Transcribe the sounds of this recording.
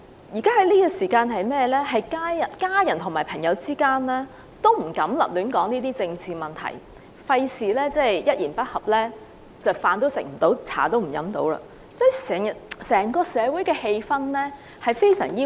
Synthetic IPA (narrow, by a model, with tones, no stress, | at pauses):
jiː˨˩kaː˥ɦɐ˨˥jliː˥kɔ˧siː˨˩kaː˧nɦɐ˨jmɛː˥lɛː˥ɦɐ˨jkaː˥jjɐ˨˩nkaː˥jɐ˨˩nt̪ʰʊ˨˩maː˨˩jpʰɐ˨˩ŋjɐ˨˧wt͡siː˥kaː˥nlɛː˥ | t̪o˥wm̩˨˩kɐ˨˥mlɐ̰˨p̚lyː˨˥nkɔː˨˥ŋniː˥t̪iː˥t͡sɪ˧ŋt͡sʰiː˨mɐ˨˩nt̪ʰɐ̰˨˩j | fɐ˧jsʰiː˨˩lɛː˥t͡sɛ˥˩jjɐ˥t̚jiː˨˩npɐ˥t̚hɐ˨p̚lɛː˥ | t͡sɐ˨˩wfaː˨˧nt̪o˥wsɪ̰˨˩m̩˨˩t̪o˨˥wt͡sʰa̰ː˨˩t̪o˥wm̩˨˩jɐ̰˨˥mt̪o̰˨˧˥wla̰ː˧ | sɔː˨˥ji˧sɛː˨˩ŋjɐ˨t̚sɛː˨˩ŋkɔː˧sɛː˨˧wu˨˥jkɛː˧he˧jfɐ˥nlɛː˥ | hɐ˨jfe˥jsœ̰ː˨˩ŋjiː˥